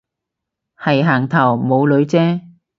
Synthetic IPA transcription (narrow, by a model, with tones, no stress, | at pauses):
hɐ˨˩jɦaː˨˩ŋt̪ʰɐ˨˩wmo˨˧wlɵ˨˧˥ɥt͡sɛː˥